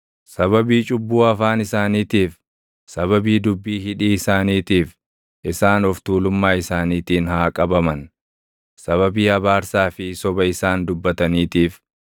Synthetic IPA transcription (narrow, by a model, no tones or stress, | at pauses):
sɐβɐbiːt͡ʃʼʊbːuːɐfaːnɪsaːniːt̪iːf | sɐβɐbiːd̪ʊbːiːɦɪᶑiːɪsaːniːt̪iːf | ʔɪsaːnɔft̪uːlʊmːaːɪsaːniːt̪iːnhaːkʼɐbɐmɐn | sɐβɐbiːɐbaːɾsaːfɪsɔbɐɪsaːnd̪ʊbːɐt̪ɐniːt̪iːf